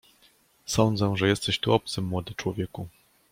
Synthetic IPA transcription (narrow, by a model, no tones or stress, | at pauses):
sɔnd̪zɛʐɛjɛst̪ɛɕt̪uʔɔp̚t̪sɘmːwɔd̪ɘt͡ʂwɔvʲjɛku